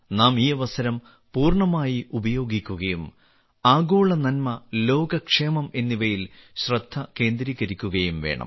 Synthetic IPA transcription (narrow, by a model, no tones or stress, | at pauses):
naːmiːɐʋɐsɐɾɐm | puːrɳɐmaːjiubɐjo̞ːɡikʲːuɣɐjum | aːɡoːɭɐnɐnmɐlo̞ːɡɐkʂeːmɐme̞nːiʋɐjilɕrɐd̪ʱːɐke̞ːnd̪ɾiːɣɐɾikʲːuɣɐjumʋe̞̰ːɳɐ̰m